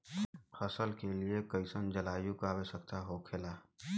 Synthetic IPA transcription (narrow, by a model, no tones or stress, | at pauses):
fʰəsəlkeliekəɪsənd͡ʒəlaːjukaːwesək̚t̪aɦokʰeːla